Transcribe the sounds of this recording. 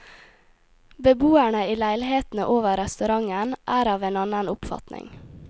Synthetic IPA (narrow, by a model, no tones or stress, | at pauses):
bəbuːæɳəiːlæɪlheːt̪n̩əʔoːʋəɾɛst̪ʉɾɑŋənʔæːɾɑːʋeːnɑnənʊpfɑ̰t̪nɪ̰ŋ